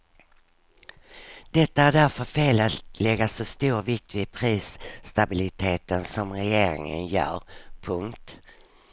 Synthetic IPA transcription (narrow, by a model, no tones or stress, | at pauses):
d̪̥ɛt̪ːaæɖæɾfœɾfeːlalɛɡːasɔst̪uːɾvɪk̚t̪vɪpʰɾiːsːt̪abɪlɪt̪ʰeːt̪ənsɔmɾɛjeːɾɪ̰ŋə̰njœ̰ːɾpʰɵŋkt̪